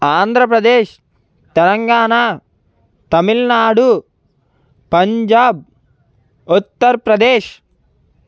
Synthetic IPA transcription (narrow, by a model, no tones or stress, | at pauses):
aːnd̪ʱɾɐpɾɐd̪eːʃ | t̪ɛlɐŋɡaːnaː | t̪ɐmilnaːɽu | pɐɲd͡ʒaːb̚ | ut̪ːɐɾpɾɐd̪eːʃ